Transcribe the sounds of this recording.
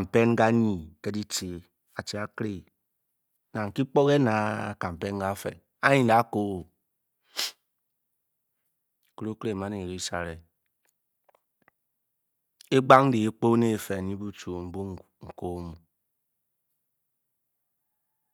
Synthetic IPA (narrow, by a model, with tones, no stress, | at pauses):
m̩˨pe˦n˦ɡa˦ɲi˨ke˦di˦ti˨ | a˨t͡ʃi˨a˨kɾe˦ | na˨ŋ̩˨ki˦k͡po˦ɣe˦na̰˨ka˨m̩˨pe˦n˦ɡa˦fḛ˨ | a˦ɲi˨nda˨˦ko˦˨ | ko˦ɾo˦kɾe˦˨m˨a˨˦ne˨e˨ɾi˦sa˨ɾe˨ | e˦ɡ͡ba˦ŋ˦di˨e˦k͡po˦ne˦˨fe˨ni˦bu˦t͡ʃu˨m̩˨˦bu˦ | ŋ̩˨ko˦mu˨